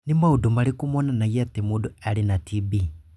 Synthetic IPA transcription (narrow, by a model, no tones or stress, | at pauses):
nimaudumalikumɔnanajiatimudualinatʰibi